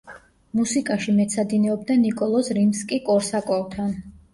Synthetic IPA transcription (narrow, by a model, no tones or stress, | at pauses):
musikʼaʃimɛt̪sʰad̪inɛɔb̚d̪anikʼɔlˠɔsɾimskʼikʼɔɾsakʼɔlˠt̪ʰan